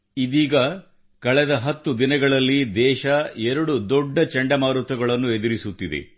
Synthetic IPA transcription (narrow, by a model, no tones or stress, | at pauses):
id̪iːɡɐ | kɐɭɛd̪ɐɦɐt̪ːud̪inɐɡɐɭɐlːid̪ɛːʃɐɛɾɐɽud̪ɔɖːɐt͡ʃɐɳɖɐmaːɾut̪ɐɡɐɭɐnːue̞d̪iɾisut̪ːid̪e̞̰